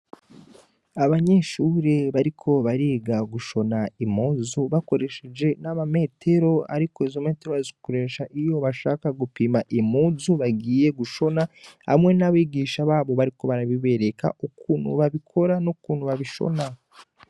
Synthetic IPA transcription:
aβaɲe̞ʃuːɾe̞βaɾikʰo̞βaɾeːɡaɡuʃo̞naimuːzuβako̞ɾe̞ʃe̞d͡ʒe̞naβame̞ːtʰe̞ɾo̞a̰ɾikoizome̞ːte̞ɾoazikoɾe̞ʃaʔijo̞βaʃaːkaɡupimaʔimuːzuβaɡiːje̞ɡuʃo̞naha̰mŋe̞naβiːɡiːʃaβaːβo̞βaɾiko̞βaɾaβiβe̞ɾe̞ka̰ʔukuːn̤hṵβaβikʰo̞ɾanukuːn̥huβaβiʃo̞̰na

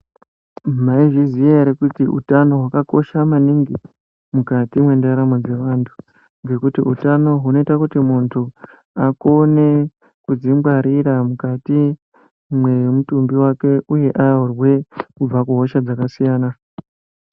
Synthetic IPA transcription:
maiʐizijeɾekutiʔṵtano̞ɦwakako̞ʃamaniŋɡi | mukatimwe̞ndaɾamo̞d͡ze̞ʋaːntʰu̥ | ŋɡe̞kutiutano̞ɦuno̞itakutimuntʰu | ako̞ne̞ | kud͡zimbwaɾiɾamukati | mwemutumbiwake̞ʔuje̞ʔajaurwe̞kub͡vakuɦo̞ʃad͡zakasijaːna

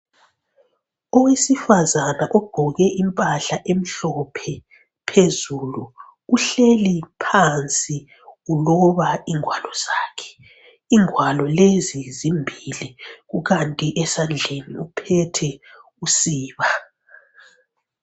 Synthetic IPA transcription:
ɔwesifazanaʔɔb̥ʱɔɣɛʔimpʼaɬaʔem̩ɬɔpʰɛ | pʰezulu | uɬelipʰant͡sʼi | ɣulɔβaiŋwalɔz̥aːkʰɛ̥ | iŋʱwalɔlezizimbʱiliɣuɣantʼiʔɛsand͡ɮʱeniupʰɛtʰɛ | usiːβa

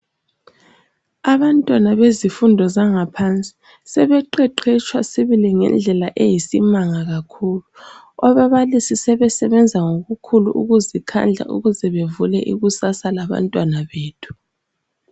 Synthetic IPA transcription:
aβantʼwanaβezifundʱɔzaŋapʰant͡sʼi̥ | sɛβɛǃɛǃɛt͡ʃʰʼwasiβiliŋɛ̰nd͡ɮʱɛlaʔejisimaŋaɣakʰuːlu | ɔβaβalisisɛβɛsɛβɛnd͡zʱaŋoɣukʰulṵʔṵɣuzikʰa̰nd͡ɮʱa̰ʔṵɣuzɛβevulɛ̰ʔiɣusasalaβa̰ntʼwanaβeːtʰu̥

